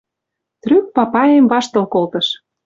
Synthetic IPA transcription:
t̪ryk̚pɑpɑemvɑʃt̪ɤ̆lkolt̪ɤ̆ʃ

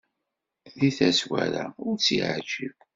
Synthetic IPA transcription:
ðiθæswæɾaʊɾt͡sːiʕəʒiv

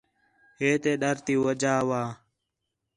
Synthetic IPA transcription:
ɦeːt̪eːɗəɾt̪iːwəd͡ʒaːʋaː

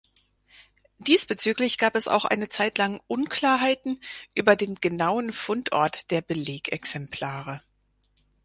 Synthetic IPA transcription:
d̥iːsb̥ət͡syːklɪçɡ̥aːpɛsa̰ʊxʔa̰ɪnət͡saɪtʰlaŋʔʊnkl̥aːɐɦaɪtn̩ʔyːbɐdeːnɡ̥ənaʊənfʊntʰʔɔ̰ɐtd̥eːɐbəleːkɛksɛmpʰl̥aːʁə

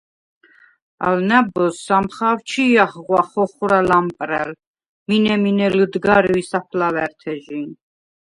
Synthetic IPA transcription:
a̰lnæbɔsːamχawt͡ʃʰiaχʁwaχɔχuɾalampʼɾɛl | minɛminɛləd̪ɡaɾwisapʰlawɛɾt̪ʰɛʒin

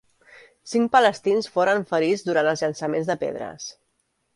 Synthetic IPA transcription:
siŋk̚pələst̪insfoɾəɱfəɾizd̪uɾant̪əlˠzʎənsəmenzðəpḛðɾə̰s

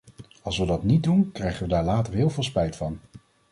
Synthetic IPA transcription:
ɑlˠsʋədɑtnit̚dunkrɛjχənʋədaːɹlaːtəɹɦɪːlˠvɪːlˠspɛjtfɑn

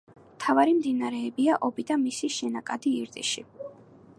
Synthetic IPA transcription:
mt̪ʰavaɾimd̪inaɾɛːbiaʔɔbid̪amisiʃɛnakʼad̪iiɾd̪ʼḭʃḭ

